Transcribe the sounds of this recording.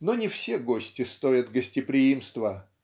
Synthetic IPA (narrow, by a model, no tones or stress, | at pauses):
nonʲɪfsʲeɡosʲtʲɪst̪oɾʲət̪ɡəsʲtʲɪpɾʲɪimst̪və